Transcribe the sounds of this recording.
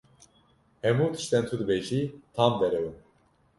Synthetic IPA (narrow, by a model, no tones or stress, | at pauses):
hɛmuːt̪ʰɨ̥ʃt̪ɛnt̪ʰud̪ɨbeʒit̪ʰamd̪ɛɾɛwun